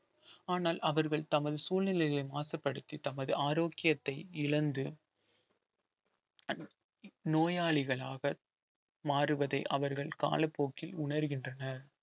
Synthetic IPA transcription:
aːnaːlʔɐʋɐɾɣɐɭt̪ɐmɐðɯsuːlnɪlɐɪɣɐlɐɪmaːsɐpːɐɽɯt̪ːit̪ɐmɐðɯaːɾoːkːɪjɐt̪ːɐɪɪɭɐnd̪ɯ | noːjaːɭɪɣɐɭaːɣɐ | maːrɯʋɐðɐɪʔɐʋɐɾɣɐɭka̰ːlɐpːoːkːɪlʊɳɐɾɯɣɪndrɐnɐɾ

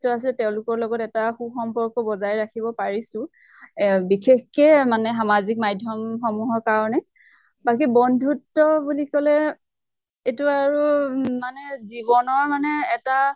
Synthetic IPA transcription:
tɔas̬ilɛtɛʊ̃lʊkɔɹlɔɡɔtɛtaxuxɔmpɔɹkɔbɔzajɹakʰibɔpaɹisʊ | bixexkɛmanɛxamazik̚majdʱjɔmxɔmuɦɔɹkaɹɔnɛ | bakibɔndʱutːɔbulikɔlɛ | etuaɹumanɛzibɔnɔɹmanɛːta

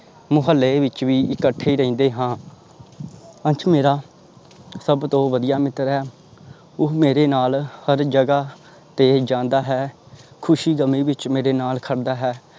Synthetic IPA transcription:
mʊɦəlːeʋɪt͡ʃʋiːɪkəʈʰːeːiːɾəĩːnd̪eːɦãː | ənt͡ʃʰmeːɾaː | səbt̪õːʋəd̪ɪjaːmɪt̪ɾɦɛː | ʊɦmeːɾeːnaːlhəɾd͡ʒəɡaː | t̪eːd͡ʒãːnd̪aːɦɛː | kʰʊʃiːɡəmĩːʋɪt͡ʃmeːɾeːnaːlkʰəɽd̪aːɦɛː

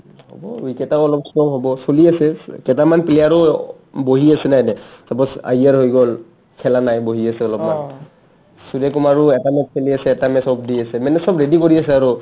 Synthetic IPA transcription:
hɔ̰bɔwikɛtaɔlɔpsɔmɦɔbɔsoliasɛkɛtamanpilɛaɹɔ | boɦiasɛnajnɛsapɔsa̰iaɹɦojɡɔl | kʰɛlanajboɦiasɛɔlɔpman | suɹɛkɔmaɹuɛtamɛt̚pʰeliasɛːtamɛsɔp̚diasɛmanɛsɔbɹedikoɹiasɛaɹʊ

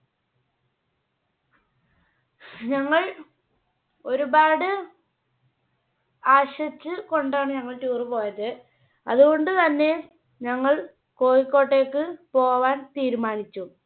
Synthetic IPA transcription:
ɲɐŋːɐɭ | o̞ɾubaːɽɨ | aːɕɐt͡ɕːɨko̞ɳɖaːɳɨɲɐŋːɐɭtuːrɨpo̞ːjɐðɨ | ɐðuɣo̞ɳɖɨt̪ɐnːe̞ | ɲɐŋːɐɭ | ko̞ːjikːo̞ːʈːe̞ːkːɨpo̞ːʋaːnt̪iːɾumaːnit͡ɕːu

